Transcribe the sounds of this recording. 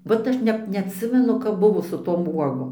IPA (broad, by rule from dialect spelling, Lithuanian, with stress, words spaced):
ˈʋɐt ɐʃ ˈnʲɛp nʲɛɐtʲˈsʲɪmʲɛnʊ kɐp ˈbʊʋoː sʊ ˈtoːm ˈuɔɡoːm